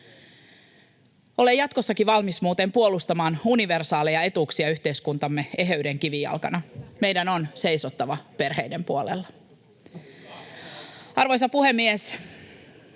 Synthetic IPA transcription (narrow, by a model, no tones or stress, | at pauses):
o̞le̞jɑt̪kosːɑkiʋɑlmismuːt̪e̞ːmpuolust̪ɑmɑːnuniʋersɑːlejɑe̞t̪uksiɑyçt̪e̞iskunt̪ɑmːee̞ɦøydeŋk̟iʋijɑ̰lkɑnɑme̞jdæno̞nse̞jsot̪ːɑʋɑpe̞rɦejdempuolḛlːɑ | ɑrʋo̞jsɑpuhe̞mːies